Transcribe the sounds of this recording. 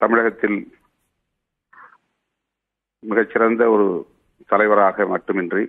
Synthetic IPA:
t̪ɐmɪɻɐɣɐt̪ːɪl | mɪɣɐt͡ʃːɪrɐnd̪ɐɔɾɯ | t̪ɐlɐɪʋɐɾaːɣɐmɐʈːɯmɛndri

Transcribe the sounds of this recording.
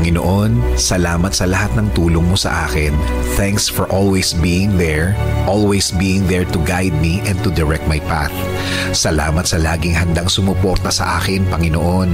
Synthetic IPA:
ɐŋɪno̰ʔonsɐlaːmɐt̪sɐlɐhat̪̚nɐŋt̪uːloŋmosɐ̰ʔaːkɪn | θɛŋksfɔɹʔolwɛjsbiːjɪŋðɛɹʔolwɛjsbiːjɪŋðɛɹt̪ʊɡajd̪̚miʔɛnt̪ʊd̪ɛɹɛk̚t̪̚mɐjpa̰θ | sɐla̰ːmɐt̪sɐlaːɡɪŋɦɐnd̪aŋsʊmʊpoɾt̪ɐsɐ̰ʔaːkɛnpɐŋɪnoʔo̞n

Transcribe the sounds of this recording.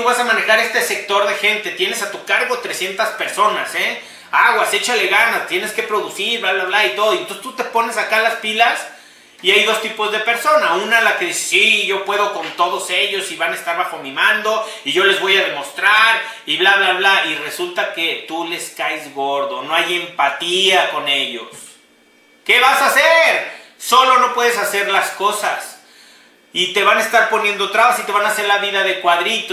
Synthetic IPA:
βasamãne̞xaɾe̞st̪ese̞k̚t̪o̞ɾðe̞xe̞nt̪e̞t̪je̞ne̞sat̪ukaɾɣo̞t̪ɾe̞sje̞nt̪aspe̞ɾso̞nase | aɣwase̞t͡ʃale̞ɣanat̪je̞ne̞ske̞pɾo̞ðusiɾblaβlaβlait̪o̞ðoient̪ose̥st̪ut̪e̞po̞ne̞sakalaspilas | iajðo̞st̪ipo̞zðe̞pe̞ɾso̞naunalakeðise̥siʝo̞pwe̞ðo̞ko̞nt̪o̞ðo̞se̞ʝo̞siβanaest̪aɾβaxo̞mĩmãnd̪o̞iʝo̞le̞zβo̞jaðe̞mo̞st̪ɾaɾiβlaβlaβlaire̞sult̪ake̞t̪ule̞skajzɣo̞ɾðo̞no̞aje̞mpat̪iako̞ne̞ʝo̞̰s | ke̞βasaseɾso̞lo̞no̞pwe̞ðe̞sase̞ɾlasko̞sas | it̪e̞βanaest̪aɾpo̞nje̞nd̪ot̪ɾaβasit̪e̞βanase̞ɾlaβiðaðe̞kwaðɾit̪

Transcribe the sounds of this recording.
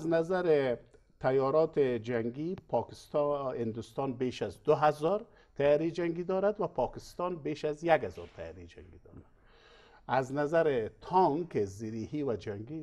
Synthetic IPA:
aznazaɾe | t̪ʰajɔɾɔt̪ed͡ʒaŋɡipʰɔkɪst̪hɪnd̪ʊst̪ɔnbeːʃazd̪ʊɦazɔɾ | t̪ʰajaɾid͡ʒaŋɡid̪ɔɾad̪wapʰɔkɪst̪ɔnbeːʃazjaɡhazɔ̰ɾt̪ʰaja̰ɾid͡ʒa̰ŋɡid̪ɔ̰ɾad̪ | aznazaɾɪt̪ʰɔŋkeziɾihiwad͡ʒaŋɡi

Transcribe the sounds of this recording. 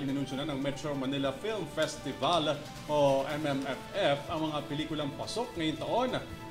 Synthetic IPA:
lɪnɪnʊnsʊnanɐŋmɛt̪ɾomɐnɪlɐfilmfɛst̪ɪval | ʔoʔɛmɛmɛfʔɛfʔɐŋmɐŋapɛliːkʊlɐŋpɐsok̚ŋɐjʊŋt̪ɐʔo̞n

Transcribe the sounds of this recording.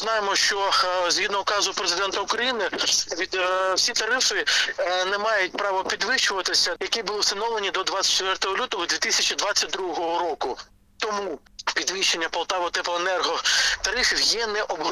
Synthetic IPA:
nɑjɪmɔʃt͡ʃɔzɦid̪nɔʊkɑzʊpɾezɪd̪ɛnt̪ɐukɾɐjinɪʋʲid̪wsʲit̪ɐɾɪfɪnɛmɑjʊt̚ʲpɾɑʋɔpʲid̪ʋɪʃt͡ʃʊʋɐt̪ɪsʲɐjɐkʲibʊlˠɪsɐnɔlɐnʲid̪ɔd̪ʋat͡sʲsʲɐ̥t̚ʲt͡ʃːt̪ʋɛrt̪ɔɦɔlʲut̪ɔɦɔd̪ʲʋʲit̪ɪsʲɐt͡ʃid̪ʋɑt͡sʲːɐt̚ʲd̪ɾuɔɦɔɦɔɾɔkʊ | t̪ɔmu | pʲid̪ʋɪʃt͡ʃːenʲːɐpɐlˠt̪ɑʋɔt̪ɛpɔenɛrɦɔt̪ɐɾɪfʲiwjɛnɛʔɔbɦ

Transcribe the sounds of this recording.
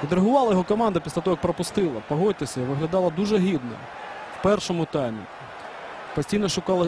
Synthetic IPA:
ʋʲid̪ɾeɦʊʋɑlˠɐjɔɦɔkɔmɑnd̪ɐpʲislʲɐt̪ɔɦɔjɐk̚pɾɐpʊst̪ɪlˠɐpɐɦɔt̪̚ʲːɪsʲɐiʋɪɦlʲɐd̪ɑlˠɐd̪uʒɛɦʲid̪nɐ̰ | wpɛrʃɔmʊt̪ɑjmʲḭ | pɐsʲtʲijnɔʃʊkɑlˠɐ

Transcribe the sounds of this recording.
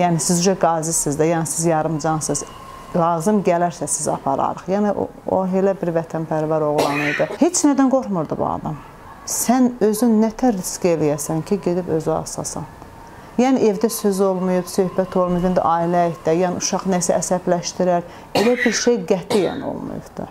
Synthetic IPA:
jæːnisizyʒæɡɑːzisizd̪æjæːnisizjɑɾɯmd͡ʒɑnsɯz | lˠɑːzɯmɟælæɾsæsizɑ̰pʰɑ̰ɾɑ̰ɾɯχjæːniʔo̰ | o̰ɦelæbiɾvæt̪ʰænpʰæɾvɑɾo̞ɣlˠɑnɯjd̪ɨhet͡ʃnæd̪ænɡo̞ɾmuɾd̪ubṵɑ̰d̪ɑm | sænøzynːæt̪ʰæɾiscelijæsæncʰiɟe̞d̪ibø̞zyɑ̰sɑ̰sɑ̰n | jæːniʔe̞vd̪æsøzo̞lˠmujubsø̞hbæt̪ʰo̞lˠmujuvind̪ḭʔɑːilæihd̪æjæːniuʃɑχnæsæːsæblæʃt̪iɾæɾ | elæbiɾʃejɡæt̪ʰijæ̰nḭo̰lˠmṵjṵbd̪̥ɯ̰

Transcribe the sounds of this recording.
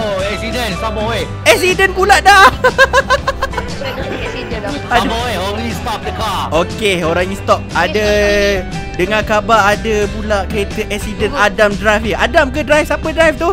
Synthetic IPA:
oɛksidənsaməwe | ɛksidənpulaʔda | si | aməweolist̪ɔp̚dəkaokeoɾaŋɲĩst̪ɔp̚adə | dəŋãkabaːdəpulaʔkəɾet̪əʔɛksidənadamdɾajfəadamkədɾajfsapədɾajft̪ʊ

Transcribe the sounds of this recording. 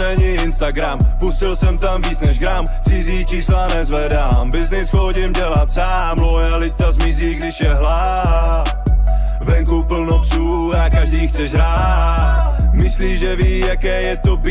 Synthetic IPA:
ɛɲɪɪnst̪aɡɾampusɪlsɛmt̪amviːt͡snɛʒɡɾam | t͡sɪziːt͡ʃiːslanɛzvɛdaːmbɪznɪsxoɟɪmɟɛlat̪saːmlojalɪt̪azmɪziːɡdɪʃjɛɦla | vɛŋkupl̩nosuː | akaʒdiːxt͡sɛʒɦɾa | mɪsliːʒɛviːjakɛːjɛt̪ob

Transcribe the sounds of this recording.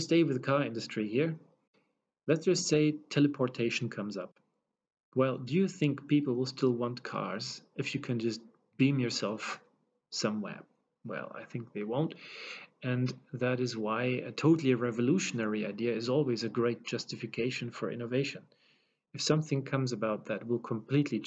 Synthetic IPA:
steɪwɨðɨkʰɑɹɪ̃ndɨstɹ̥ihiɹ | lɨtsd̥ʒ̥ʌstseɪtʰɛlˠɨpʰɔɹtʰeɪʃn̩kʰʌ̃mzʌp̚ | wɛlˠdɨjɨθɪ̃ŋkpipl̩ˠwəlˠstɪlˠwɑ̃nkʰɑ̰ɹzɨfjɨkʰɨ̃nd͡ʒʌst̚ | b̥ĩmjə˞sɛlˠf | sʌ̃mwɛ̰ɹ | wɛ̰lˠa̰ɪθɪ̃ŋk̚ðeɪwõʊ̃nt | ɨ̃nðɨɾɨzwaɪɨ̰tʰoʊɾl̩ˠiɹɛvəluʃɨnɛɹiaɪdiɨɨzɔlˠwizɨɡɹeɪt̚d̥ʒ̥ʌstɨfɨkʰeɪʃɨ̃nfə˞ʔɪ̰ñoveɪʃɨ̃n | ɨfsʌ̃mθɪ̃ŋkʰʌ̃mzɨbaʊt̪̚ðɨt̚wɪlˠkʰə̃mpʰl̥itʰˡli

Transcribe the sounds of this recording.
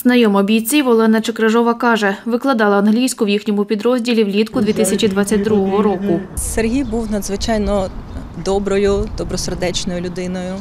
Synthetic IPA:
znɐjɔmɔbʲijt͡sʲiʋɔlˠɛnɐt͡ʃɪkɾɐʒɔʋɐkɑʒɛʋɪklˠɐd̪ɑlˠɐɐːnɦlʲijsʲkʊwjixnʲɔmʊpʲid̪ɾɔzʲdʲilʲiwlʲit̪kʊd̪ʋʲit̪ɪsʲɐt͡ʃʲid̪ʋɑtt͡sʲːɐt̚ʲd̪ɾuɦɔɦɔɾɔkʊserɦʲijbuwnɐd̪zʋɪt͡ʃɑjnɔ | d̪ɔbɾɔjʊd̪ɔbɾɔserd̪ɛt͡ʃnɔjʊlʲʊd̪ɪnɔjʊ

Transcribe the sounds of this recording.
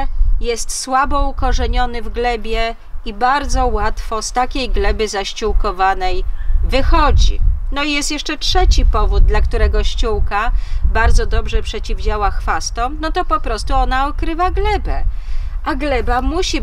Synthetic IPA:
jɛst̪swabɔukɔʐɛɲɔnɘvɡlɛbʲjɛ | ibaɾd̪zɔwat̪fɔst̪akʲejɡlɛbɘzaɕt͡ɕuwkɔvanɛjvɘxɔd͡ʑḭnɔijɛst̪jɛʂt͡ʂɛtʂɛt͡ɕipɔvud̪̚d̪lakt̪uɾɛɡɔɕt͡ɕuwkabaɾd̪zɔd̪ɔbʐɛpʂɛt͡ɕivd͡ʑawaxfast̪ɔ̃mnɔt̪ɔpɔpɾɔst̪uɔnaɔkɾɘvaɡlɛbɛaɡlɛbamuɕi

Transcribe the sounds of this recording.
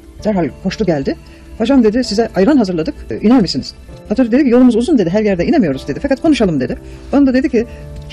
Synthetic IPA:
d̪̥æɾɦalʲkʰo̞ʃuɟælʲd̪ɪ | had͡ʒamd̪e̞d̪ɪsizɛʔajɾanɦazɯɾlˠad̪ɯkinæɾmisiniz̥hat̪olʲɛd̪e̞d̪icijo̞lˠumuzuzund̪e̞d̪iɦæɾjæɾd̪ɛinemijo̞ɾuzd̪eifakat̪̚kʰo̞nuʃalˠɯmd̪e̞d̪ɪbonad̪ad̪e̞d̪icʰi

